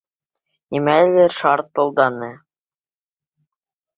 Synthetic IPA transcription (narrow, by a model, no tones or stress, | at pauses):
imælɘʃɑɾt̪ːŏlˠd̪ɑnɤ